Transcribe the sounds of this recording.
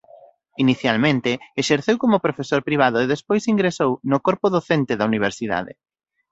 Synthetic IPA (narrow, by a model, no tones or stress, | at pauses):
iniθjalmẽnt̪ɪeʃeɾθewkomʊpɾofesoɾpɾiβ̞aðʊeðespojsiŋɡɾesownʊkoɾpʊðoθent̪eðɐuniβ̞eɾsiða̰ðɪ̰